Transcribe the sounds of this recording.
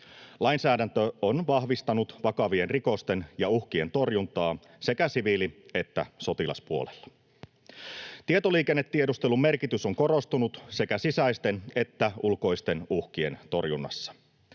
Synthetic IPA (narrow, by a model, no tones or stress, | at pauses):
lɑjnsæːdænt̪øonʋɑhʋist̪ɑnut̪ʋɑkɑʋie̞nriko̞st̪e̞njɑuhkie̞nt̪o̞rjunt̪ɑː | se̞kæsiʋiliet̪ːæ̰so̞t̪ilɑ̰spuo̰lelːɑ̥ | t̪iet̪o̞liːke̞nːet̪ːiedust̪e̞lumme̞rkit̪ysoŋko̞ro̞st̪unut̪se̞kæsisæjst̪e̞ne̞t̪ːæulko̞ist̪e̞nuhk̟ie̞̰nt̪o̞rjunːɑ̰sːɑ̥